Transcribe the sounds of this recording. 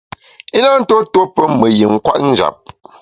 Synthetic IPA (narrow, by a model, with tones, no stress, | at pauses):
i˦na˦n̩˦to˦to˦pə˦mə˨ji˨ŋ˦kwa̰˦ʔn̩˦d͡ʒa̰˨p̚